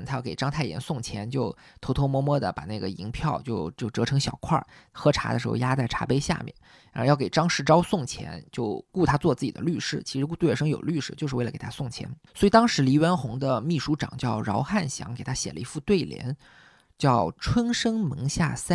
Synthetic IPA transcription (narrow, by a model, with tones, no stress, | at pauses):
nt̪ʰa˥jɑ˥˧˩ke˨˩ɪʈ͡ʂɑ˥ŋt̪ʰa˥˩ɪjɛ̰˧˥nsʊ˥˩ŋt͡ɕʰjɛ˧˥nt͡ɕjo˥˩ʊ | t̪ʰo˧˥ʊt̪ʰo˥ʊmwɔ˥mwɔ˥d̪ə̰˨pa̰˨˩na˥˩ɡə˩i˧˥ŋpʰjɑ˥˧ʊt͡ɕjo˥˧ʊt͡ɕjo˥˩ʊʈ͡ʂɤ˧˥ʈ͡ʂʰɤ˧˥ŋɕjɑ˨˩ʊkʰwa̰˥˩xɤ˧˥ʈ͡ʂʰa̰˧˥də˧ʂɻ̩˧˥xo̰˥˧ja˥t͡sa˥˩ɪʈ͡ʂʰa̰˧˥pe˥ɪɕja̰˥˧mjɛ̰˥˩n | ɻa˧˥˧jɑ˥˩ke˨˩ʈ͡ʂɑ˥ŋʂɻ̩˥˧ʈ͡ʂɑ˥ʊsʊ˥˩ŋt͡ɕʰjɛ̰˧˥nt͡ɕjo˥˧ʊku˥˩t̪ʰa˥t͡swɔ˥˧t͡sɹ̩˥˩t͡ɕi˨˩d̪ə̰˦ly˥˩ʂɻ̩˥t͡ɕʰi˧˥ʂɻ̩˧˥ku˥˧t̪ʂɤ˥ŋjo˨˩ʊly˥˩ʂɻ̩˥t͡ɕjʂɻ̩˥˧˥lə˨kḛ˨˩tʰsʊ˥˩ŋt͡ɕʰjɛ̰˧˥nswi˨˩t̪ɑ˥ŋʂɻ̩˧˥li˧˥ɥɛ˧˥nxʊ˧˥ŋd̪ə˧mi˥˩ʂu˧˥ʈ͡ʂɑ̰˨˩ŋt͡ɕjɑ˥˩ʊɻɑ˧˥ʊxa˥˩nɕjɑ̰˧˥ŋke˨˩ɪt̪ʰa˥ɕjɛ˨˩lʔə˦i˧˥fu˥˧t̪we˥˩ɪljɛ̰˧˥n | t͡ɕjɑ˥˩ʊʈ͡ʂʰwə˥nʂɤ˥ŋmɤ˧˥ŋɕja̰˥˩sa˥